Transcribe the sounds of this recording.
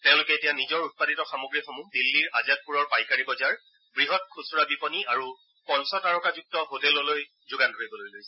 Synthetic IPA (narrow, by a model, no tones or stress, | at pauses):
tɛʊ̃lʊkɛːtijanizɔɹut̚paditɔxamoɡɹixomudilːiɹʔazat̚puɹɔɹpajkaɹibɔzaɹ | bɹiɦɔt̚kʰusuɹabipɔniaɹu | pɔnsɔtaɹɔkazuk̚tɔɦotɛlɔloj | zʊɡantoɹibɔlojlojsɛ